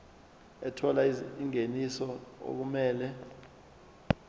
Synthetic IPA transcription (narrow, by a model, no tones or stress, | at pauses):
ɛtʰɔlaiŋenisɔo̰k̬umɛːlɛ